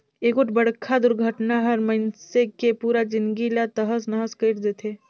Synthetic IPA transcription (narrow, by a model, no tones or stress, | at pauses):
eːkʊʈbəɽ̤kʰad̪ʊɾɡʱəʈnaɦəɾməɪnsekepuːɾad͡ʒɪnd̪ɡilat̪əɦəsnəɦəskəɪʈd̪eːt̪ʰe